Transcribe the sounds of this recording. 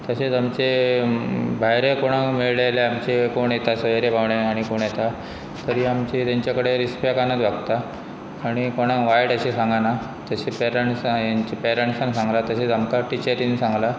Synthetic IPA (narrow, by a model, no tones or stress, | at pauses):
t̪əɕet͡samt͡ɕe | bʱajɾekoɽ̃ãmeɭlaleamt͡ɕekoɳjet̪asəeɾepawɳeaɽ̃ikoɳjet̪a | t̪əɾiːamt͡ɕit̪aɲt͡ɕjakəɽeɾispekanət̪ʋaɡt̪aː | ɽ̃ikoɽ̃ãʋajɽəɕesãŋɡana | t̪əɕepɛɾeɳʈsaɲt͡ɕipeɾeɳʈsansãŋɡlat̪əɕet͡samkaʈit͡ɕəɾinsãŋɡla